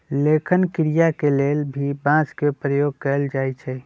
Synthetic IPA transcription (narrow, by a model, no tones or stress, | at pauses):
leːkʰənkɪɾijakeleːlbʱibãːt͡ʃkepɾəjoːɡ̚kəld͡ʒaːit͡ʃʰɛ